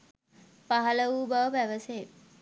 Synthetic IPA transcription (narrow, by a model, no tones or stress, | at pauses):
paɦɐləuːbaʋəpæʋəse